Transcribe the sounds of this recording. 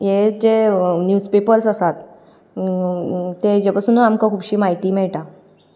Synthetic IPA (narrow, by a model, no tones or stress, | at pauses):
jed͡ʑenjuspepəɾsəsat̪ | t̪ːed͡ʑepasuːnamkakʰuːbɕiːmaɦit̪iːmɛɭʈa